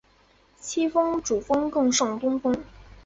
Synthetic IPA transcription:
t͡ɕʰi˥fɤ˥ŋʈ͡ʂu˨˩fɤ˥ŋkɤ˥˧ŋʂɑ˥˩ŋt̪ʊ˥ŋfɤ˥ŋ

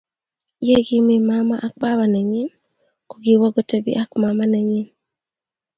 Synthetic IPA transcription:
je˦ɡi˦mi˦ma˦ma̰˨ʔa˨k̚ba˦βa˨nɛ˨ɲɪ˦n | ko˨ɡi˨wɔ˦ɡɔ˦te˦bḭ˦ʔa˦kma˨ma˦nɛ˨ɲɪ˦n

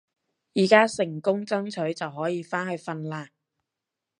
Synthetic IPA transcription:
jiː˨˩kaː˥sɪ˨˩ŋkʊ˥ŋt͡sɐ˥ŋt͡sʰɵ˨˥ɥt͡sɐ˨wɦɔː˨˥jiː˨˧faː˥nhɵ˨˧ɥfɐ˧nlaː˧

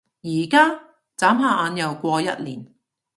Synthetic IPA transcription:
jiː˨˩kaː˥ | t͡saː˨˥mɦaː˨˧ʔaː˨˧njɐ˨˩wkʷɔː˧jɐ̰˥t̚liː˨˩n

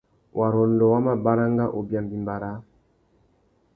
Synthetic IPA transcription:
wʔa˨ɾɔ˨ndɔ˨wa˦ma˨ba˦ɾa˦ŋɡa˦ʔo˨bja˨mbi˨mba˨ɾa˦

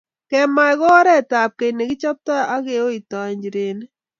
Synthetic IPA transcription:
kɛ˨ma˨jkɔ˦ɾɛ˦˨ta˨p̚ke˨ne˨ki˦t͡ʃɔ˦p̚ta˦a˦ke˨o˦i˨tɔ˨ɲd͡ʒi˨ɾe˨n˦

